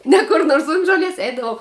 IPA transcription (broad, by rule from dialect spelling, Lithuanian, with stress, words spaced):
ˈnʲɛ kʊr ˈnoːrs ʊnt ʒoːˈlʲiɛs ˈɛɪdɐʋɐʊ